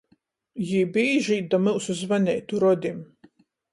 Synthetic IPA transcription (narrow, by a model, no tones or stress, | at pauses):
jiːbiːʒiːt̚d̪amɨlˠsuzvanʲɛːt̪uɾɔd̪ʲim